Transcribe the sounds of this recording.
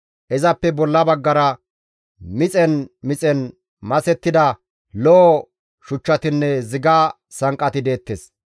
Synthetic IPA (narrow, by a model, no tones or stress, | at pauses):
ʔɛzɐpːɛbɔlːɐbɐɡːɐɾɐ | mɪt͡sʼɛnmɪt͡sʼɛn | mɐsɛt̪ːɪd̪ɐ | lɔʔɔ | ʃʊt͡ʃːɐt̪ɪnːɛzɪɡaː | sɐŋkʼːɐt̪ɪd̪e̞ːt̪ːes